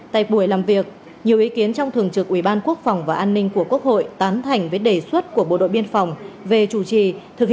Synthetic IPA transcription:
t̪a̰ː˧˨ɓu˧˩əjlaː˨˩mvi˨˩ək̚ | ɲi˨˩əwʔi˨˦ki˨˦ənt͡ɕɔ˧wŋ͡mt̪ʰɨ˨˩əŋt͡ɕɨ˨˩k̚ʔwi˧˩ɓaː˧nku˦˥ək̚fɔ˨˩wŋ͡mvaː˨˩ʔaː˧nːï˧ŋ̟ku˧˩əku˦˥ək̚ho̰˧˨jt̪aː˨˦nt̪ʰa˨˩jŋ̟vəː˨˦jɗe˧˩swə˦˥t̚ku˧˩əɓo̰˧˨ɗo̰˧˨jɓi˧ənfa˨˩wŋ͡mve˨˩t͡ɕu˧˩t͡ɕi˨˩t̪ʰɨ˨˩k̚

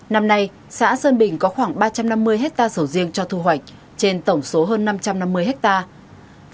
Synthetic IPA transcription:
na˧mna˧j | sa̰ː˧˥səː˧nɓï˧˩ŋ̟kɔ˨˦xwaː˧˩ŋɓaː˧t͡ɕa˧mna˧mːɨ˧əjɦɛ˦˥k̚t̪aː˧sə˧˩wzi˧əŋt͡ɕɔ˧t̪ʰu˧ɦwa˨˩jk̟̚ | t͡ɕe˧nt̪ə˧˩wŋ͡mso˨˦ɦəː˧nːa˧mt͡ɕa˧mna˧mːɨ˧əjɦɛ˦˥k̚t̪aː˧

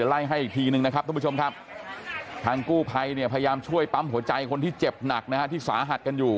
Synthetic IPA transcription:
ɯ˩˦la˥˩jɦa˥˩jʔi˨˩k̚t̪ʰiː˧nɯ˧ŋna˦˥kʰa˦˥p̚t̪ʰa˧˩˦o˧mkʰa˦˥p̚ | t̪ʰaː˧ŋkuː˥˩pʰa˧jni˥˩ɐpʰa˧ja˧jaː˧mt͡ɕʰu˥˩əjpa˦˥mɦu˩˦ɐt͡ɕa˧jkʰo˧nt̪ʰiː˥˩t͡ɕe˨˩p̚na˨˩k̚na˦˥kʰa˦˥t̪ʰiː˥˩sa̰ː˩˦ɦa˨˩t̪̚ka˧njuː˨˩

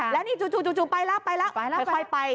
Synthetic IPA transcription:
lɛː˦˥wniː˥˩t͡ɕu˨˩t͡ɕuː˨˩t͡ɕuː˨˩t͡ɕuː˨˩pa˧jlɛ˦˥pa˧jlɛ˦˥ʔʰɔː˧˩jpa˧j

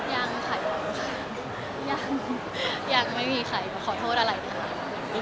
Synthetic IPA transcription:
jaː˧ŋkʰa˨˩jkɔ˨˩˧kʰa˧˩ | jaː˧˩ŋ | jaː˨˩k̚ma˥˩jmiː˧xʰa˨˩jkɔː˧˩kʰɔː˨˩t̪ʰoː˥˩t̪̚ʔa˧ɾa˧jna˧˩kʰa˦˥˩

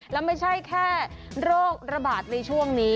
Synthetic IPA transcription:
lɛː˦˥wma˥˩jt͡ɕʰa˥˩jkʰɛː˥˩ɾoː˥˩k̚ɾa˧baː˨˩t̪̚na˧jt͡ɕʰu˥˩əŋniː˦˥

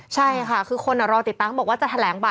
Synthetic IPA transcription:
t͡ɕʰa˥˩jkʰa˥˩kʰɯː˧kʰo˧nːa˨˩ɾɔː˧t̪i˨˩t̪ːaː˧˩mbɔː˨˩k̚waː˥t͡ɕa˨˩t̪ʰa˧lɛː˩˦ŋba˨˩

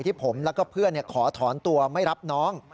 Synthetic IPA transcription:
jt̪ʰiː˥˩pʰo˩˦mlɛː˦˥wkɔː˥˩pʰɯ˥˩ənːi˥˩ɐkʰɔː˩˦t̪ʰɔː˩˦nt̪u˧ɐma˥˩jɾa˦˥p̚nɔː˦˥ŋ

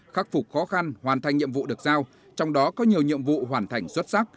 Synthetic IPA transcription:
xaː˦˥k̚fʊ˨˩k͡p̚xɔ˨˦xa˧nhwaː˨˩nt̪ʰa˧jŋ̟ɲḭ˧˨əmvṵ˧˨ɗɨ˨˩ək̚zaː˧w | t͡ɕɔ˧wŋ͡mɗɔ˨˦kɔ˨˦ɲi˨˩əwɲḭ˧˨əmvṵ˧˨ɦwaː˧˩nt̪ʰa˨˩jŋ̟swə˦˥t̚sa˦˥k̚

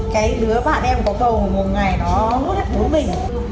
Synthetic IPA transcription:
kaː˨˦jɗɨ˨˦əɓa̰ː˧˨nʔɛ˧mkɔ˨˦ɗə˨˩wmo˨˩tŋa˨˩jnɔ˨˦nu˦˥t̚ha˦˥k̚ɓu˨˦əmï˨˩ŋ̟

